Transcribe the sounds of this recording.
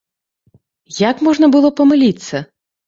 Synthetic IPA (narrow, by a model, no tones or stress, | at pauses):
jakmɔʐnɐbɨlˠɔpɐmɨlʲit̪sʲːɐ